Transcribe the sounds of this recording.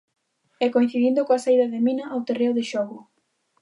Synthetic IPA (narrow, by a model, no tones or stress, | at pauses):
ɛkoĩ̟θiðind̪ʊkoasaiðɐðɪminɐʔawt̪erewðɪʃɔɣʊ